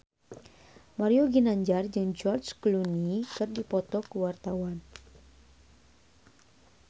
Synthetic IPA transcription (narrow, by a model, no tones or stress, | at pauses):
maɾioɡinaɲd͡ʒard͡ʒɨŋd͡ʒɔrt͡ʃklunikɨrdipɔt̪ɔkəwart̪awan